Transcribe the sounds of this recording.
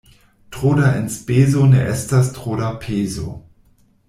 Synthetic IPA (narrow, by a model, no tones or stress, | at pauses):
tʁ̥oːdaʔɪ̰nsb̥eːzonəʔɛstɐstʁ̥oːɾapʰeːzo̰